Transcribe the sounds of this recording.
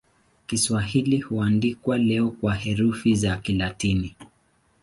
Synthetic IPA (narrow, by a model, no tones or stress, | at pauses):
kiswahilihuandikwalɛɔkwahɛɾufizakilatini